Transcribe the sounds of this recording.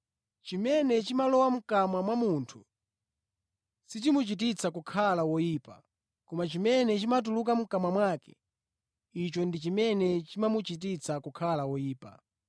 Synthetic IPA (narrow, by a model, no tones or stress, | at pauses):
t͡ʃimɛnɛt͡ʃimalɔwam̩kamamwamuntʰu | sit͡ʃimut͡ʃit̬it͡sakukʰalawɔjiːpa̰ | kɔmat͡ʃimɛnɛt͡ʃimat̬uluk̬am̩kamamwaːkɛ̥̰ | it͡ʃɔndit͡ʃimɛnɛt͡ʃimamut͡ʃit̬it͡sakukʰalawɔjiːpa̰